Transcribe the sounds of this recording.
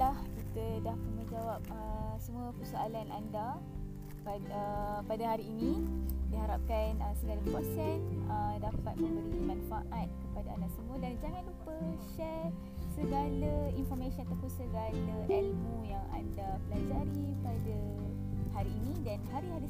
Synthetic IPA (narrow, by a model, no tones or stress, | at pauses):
lahkit̪ədahpmə̃d͡ʒawap̚əsəmũəpəsoalanʔa̰nda | paəpadaɦaɾiːnĩdiɦaɾap̚kanəsəɡalapɾosɛsədapat̪̚mə̃mbəɾimanfaʔat̪̚kəpadaandasəmuədand͡ʒaŋãnupəʃɛr | səɡalainfɔrmesənat̪apunsəɡalaʔɛlmujaŋa̰ndabəlad͡ʒaɾipada | haɾiːnĩdanɦaɾiɦaɾi